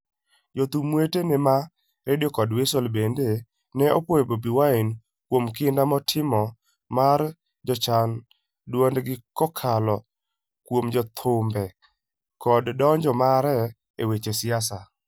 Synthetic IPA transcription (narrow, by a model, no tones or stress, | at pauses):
d͡ʒot̪umwetenema | ɾedjɔkɔdwesolbende | nɛopwojebobiwain | kwomkɪndamɔtʰɪmɔ | maɾ | d͡ʒɔt͡ʃan | dwondɡɪkɔkʰalɔ | kwomd͡ʒɔt̪ʰʊmbɛ | kɔddɔɲd͡ʒɔmaɾɛ | ewet͡ʃesɪasa